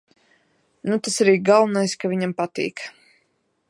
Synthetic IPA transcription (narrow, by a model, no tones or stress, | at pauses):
nut̪asaɾiːɡalˠnajskavʲiɲampat̪ḭːk